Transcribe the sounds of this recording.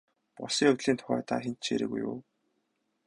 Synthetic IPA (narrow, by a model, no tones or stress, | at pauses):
pɔsiːŋɵt̪ɮiːnt̪ʰʊ̥χæːt̪aːxen̥t̪t͡ɕʰeːɾɘ̰̆ːɣṵjʊ̰ː